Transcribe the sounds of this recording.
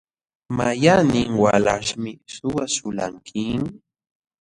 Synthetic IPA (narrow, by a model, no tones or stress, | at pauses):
majanɪŋwalaʃmɪssʊwaʃʊla̰ŋkʰɪŋ